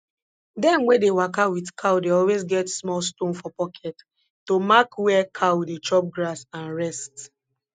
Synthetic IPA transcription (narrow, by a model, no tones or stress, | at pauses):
dɛ̃mwɛ̃dewakawidkʰawdeɔlwezɡɛtsmɔlstõnfɔpɔkʰɛt | tomakwɛkʰawdet͡ʃɔp̚ɡɾasãnɹɛst